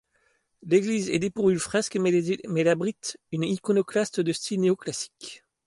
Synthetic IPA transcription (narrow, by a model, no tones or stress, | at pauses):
leɡlizɛ̰d̪epuʁvylfχɛskmɛlabʁit̪ynikɔnoklast̪d̪əst̪ʰilneoklasi̥k